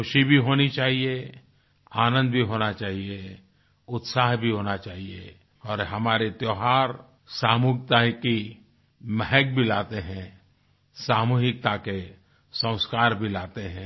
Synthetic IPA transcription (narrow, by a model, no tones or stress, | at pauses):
kʊʃibʱiɦoːnit͡ʃaːɦie | aːnə̃nd̪bʱiɦoːnat͡ʃaːɦie | ʊt̪saːɦbʱiɦoːnat͡ʃaːɦie | ɔːɾɦɐmaːɾet̪joːɦaːɾ | saːmuːɡ̚t̪aɦki | mɛɦɛk̚bʱilaːt̪eɦɛ̃ | saːmuːɦɪk̚t̪ake | sə̃ʊ̃skaːɾbʱilaːt̪eɦɛ̃ː